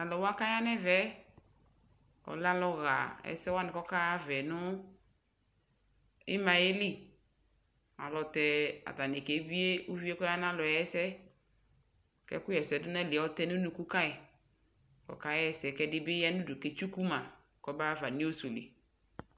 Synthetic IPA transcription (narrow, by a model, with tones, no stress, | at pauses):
a˨lɔ˨wɔ˦a˦ka˦ja˦nɛ˦vɛ˦ | ɔ̰˨la˦lɔ˦ɣa̰˨ɛ̰˨sɛ˦wa˦nɪ̃˨kɔ˦ka˦a˦vɛ˨nʊ˦ | ɪ˦mã˨je˦li˦ | a̰˨lɔ˨tɛ˨a̰˨da˨nɛ˨kɛ˨˦bi˦e˦o˦vi˦e˦kɔ˦ja˦n˦ã˦lɔ˨jɛ˦sɛ˦ | kɛ̰˦kʊ˦jɛ˨sɛ˨˦dʊ˦nã˦˨lɪ˨ɔ˦tɛ˦nʊ̃˦nũ˨ku˦ka˦ɛ˨ | kɔ̰˨ka˦jɛ˨sɛ˨˦kɛ˦dɪ˦bɪ˦ja˦nʊ̃˦du˨ke˨t͡ʃu˦ku˦mã˨ | kɔ˦ba˦va˨nĩ˦o˦su˨lḭ˨